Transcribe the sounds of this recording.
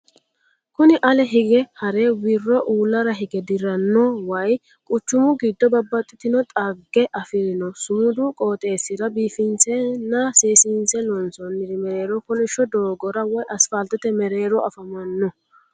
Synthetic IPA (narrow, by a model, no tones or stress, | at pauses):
kʊnɪʔɐlɛɦɪɡɛhɐɾeːwɪrːɔʔuːlːɐɾɐɦɪɡɛd̪ɪɾɐnːɔwɐj | kʼʊt͡ʃːʊmʊɡid̪ːɔbɐbːɐt̪ʼːɪt̪ɪnɔt̪ʼɐɡːɛʔɐfɪɾɪnɔsʊmʊd̪ukʼo̞ːt̪ʼe̞ːsɪɾɐbiːfɪnsɛnːɐseːsinsɛlɔnsɔnːɪɾɪmɛɾe̞ːɾɔkʊnɪʃːɔd̪oːɡɔɾɐwɐjʔɐsfɐlt̪ːɛt̪ɛmɛɾeːɾɔɐfɐmɐnːɔ